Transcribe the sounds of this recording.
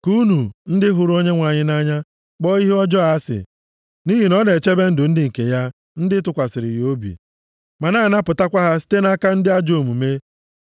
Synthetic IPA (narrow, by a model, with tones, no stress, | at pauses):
ku˦nu˨n̩˦dɪ˦ɦʊ˨ɾo˦ɲe˦ŋʷa˨ɲɪ˦na˦ɲa˦ | k͡pɔ˦i˦ɦe˦ɔ˦d͡ʒɔ˦a˦sɪ̰˨ | ni˦ɦi˨nɔ˦ne˨t͡ʃe˦be˦n̩˦dʊ˨n̩˦dɪ˦ŋ̩˨ke˨ja˦ | n̩˦dɪ˦tʊ˨kʷa˨sɪ˨ɾɪ˨jo˦bḭ˨ | ma˨na˦˨na˦pʊ˨ta˦kʷa˦ɦa˦si̥˦te˦na˦ka˦n̩˦dɪ˦a˦d͡ʒo˨mu˨me˦